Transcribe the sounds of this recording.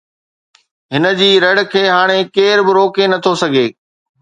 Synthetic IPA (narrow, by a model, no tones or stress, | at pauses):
ɦɪnə̆d͡ʑiːɾɐɽ̆kʰeːɦaːɽ̃ekeːɾbɪɾoːkenɐt̪ʰosɐɡʱeː